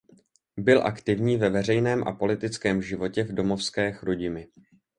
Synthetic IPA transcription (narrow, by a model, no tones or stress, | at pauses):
bɪlʔakt̪ɪvɲiːvɛvɛrɛjnɛːmʔa̰po̞lɪt̪ɪt͡skɛːmʒɪvo̞cɛvdo̞mo̞fskɛːxɾuɟɪmɪ